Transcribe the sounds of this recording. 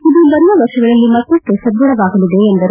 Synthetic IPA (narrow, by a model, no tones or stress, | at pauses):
id̪ubɐɾʋɐʋɐɾʂɐɡɐɭɐlːimɐt̪ːɐk̪ːesɐd̪ːuɽɐʋaːɡɐlid̪e̞ːnd̪ɐɾ